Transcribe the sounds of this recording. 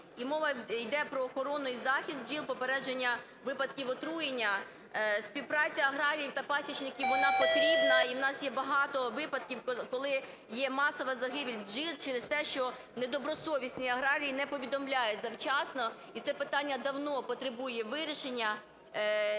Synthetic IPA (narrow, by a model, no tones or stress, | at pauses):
imɔʋɐjd̪ɛpɾɔːxɔɾɔnʊizɑxʲist̪̚ʒilˠpɔpeɾɛd͡ʒenʲːɐ | ʋɪpɐd̪̚kʲiwɔt̪ɾujenʲːɐ | spʲiwpɾɑt͡sʲɐɐɦɾɑɾʲijiwt̪ɐpɑsʲit͡ʃnɪkʲiʋʋɔnɑpɔt̪ɾʲibnɐiwnɑsjɛbɐɦɑt̪ɔʋɪpɐd̪kʲiwkɔlˠɪ | jɛmɑsɔʋɐzɐɦɪbʲilʲʒilˠt͡ʃɛɾest̪ɛʃt͡ʃɔ | ned̪ɔbɾɔsɔʋʲisʲnɪjɐɦɾɑɾʲijinɛpɔʋʲid̪ɔmlʲajʊtʲzɐwt͡ʃɑsnɔ | it̪sɛpɪt̪ɑnʲːɐd̪ɐwnɔpɔt̪ɾɪbujɛʋɪɾʲiʃenʲːɐ